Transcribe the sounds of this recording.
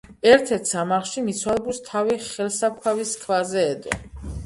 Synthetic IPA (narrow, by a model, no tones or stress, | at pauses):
ɛɾt̪ʰɛɾt̪ʰsamaʁlˠʃimit̪sʰwalˠbust̪ʰaviχɛlˠsap̚kʰaviskʰvazɛːd̪ɔ